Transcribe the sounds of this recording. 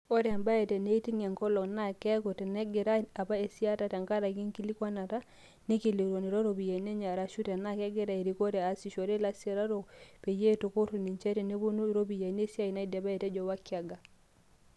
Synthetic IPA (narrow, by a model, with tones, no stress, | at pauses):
o˦ɾmba˦e˨tɛ˨ne˦i˦ti˦ŋɛ˨ŋkɔ˦lɔ˨kna˦˨kɛ˦ko˨tɛ˨nɛ˦ɡe˨ɾa˦a˨pa˦e˨si˦a˦ta˨tɛ˨ŋka˦ɾa˨ki˦ŋki˦li˦kwa˦na˨ta˦ | ni˦ki˨li˨ɾo˨ni˨ɾɔ˦ɾo˨bi˨ja˨ne˦ɲa˨ɾa˨ʃu˦tɛ˨na˦˨kɛ˦ɡe˦ɾa˨e˨ɾi˨˦ko˦ɾɛ˨a˨si˨ʃɔ˨ɾe˦la˦sja˨ɾa˦ɾo˨pe˨je˦to˨ko˦ɾu˨ni˨ɲt͡ʃɛ˦te˨ne˦bo˦nu˦ɾo˦bi˨ja˨ne˦sja˦i˨na˦i˦dɛ˨ba˦e˨tɛ˦d͡ʒɔ˦wa˦kja˨ɡa˨